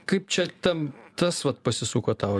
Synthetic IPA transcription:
kɐɪp̚t͡ʃʲɛt̪ʲɛnt̪ɐsʋɐt̪̚pɐsʲɪsuːkoːt̪ɐʊ

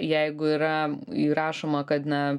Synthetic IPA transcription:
jɛɪɡʊiːɾɐ | iɾɑːʃoːmɐkɐt̪nʲɛ

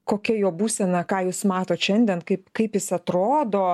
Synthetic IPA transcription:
koːkʲɛjoːbuːsʲɛnɐkɑːjuːsmɑːt̪oːt̪ʃʲɛnʲd̪ʲɛnkɐɪpkɐɪpjɪsɐt̪ɾoːd̪oː

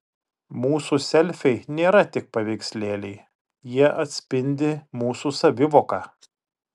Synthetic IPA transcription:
muːsusʲɛlʲfʲɛɪnʲeːɾɐt̪ʲɪk̚pɐʋʲɛɪksʲlʲeːlʲɛɪ | jiɛʔɐt̪ʲsʲpʲɪnʲd̪ʲɪmuːsuːsɐʋʲɪʋoːkɑː

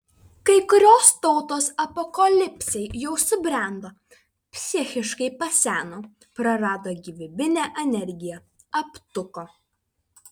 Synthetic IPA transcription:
kɐɪkʊɾʲoːst̪ɔʊt̪oːsɐpɔkɐlʲɪpʲsʲɛɪjɛʊsʊbʲɾʲɛˑnd̪oː | pʲsʲɪxʲɪʃkɐɪpɐsʲæːnoː | pɾɐɾɑːd̪oːɡʲiʋʲɪbʲɪnʲæːʔɛnʲɛɾʲɡʲɪjɛ | ɐpt̪ʊkoː

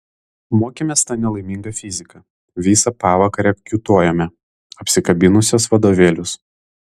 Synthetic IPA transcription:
moːkʲeːmʲeːst̪ɑːnʲɛlˠɐɪmʲiŋɡɐfʲɪzʲɪkɐ | ʋʲiːsɐpɑːʋɐkɐɾʲɛkʲut̪uɔjɛmʲɛ | ɐpʲsʲɪkɐbʲɪnʊsʲosʋɐd̪oːʋʲeːlʲʊs

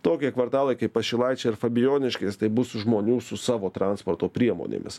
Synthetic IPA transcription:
t̪oːkʲiɛkʋɐɾt̪ɑːlˠɐɪkɐɪpːɐʃʲɪlˠɐɪt͡ʃʲɛɪɾfɐbʲɪjoːnʲɪʃʲkʲɛɪst̪ɐɪbʊsʒmoːnʲuːsʊsɑːʋoːt̪ɾɑnspoːɾt̪oːpʲɾʲiɛmo̰ːnʲḛːmʲɪ̰s

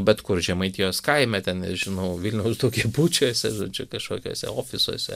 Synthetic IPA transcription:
bʲɛt̪kʊrʒʲɛmɐɪt̪ʲijoːskɐɪmʲɛt̪ʲɛnʲɪʒʲɪnɐʊʋʲilʲnʲɛʊsd̪ukʲɛbuːt͡ʃʲuːsʲɛʒo̰ːd͡ʒʲʊkɐʃkoːkʲo̰ɔːsʲɛ̰oːfʲɪso̰ɔsʲɛ̰

